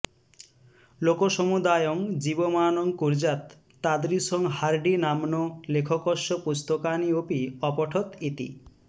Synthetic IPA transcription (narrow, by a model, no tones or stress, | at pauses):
lokoʃomud̪ajoŋd͡ʑibomaːnoŋkuɾd͡ʑat̪ː | ad̪ɾisoŋɦaɾɖinamnolekʰokoʃopust̪okaniopiɔpɔʈʰot̪it̪ḭ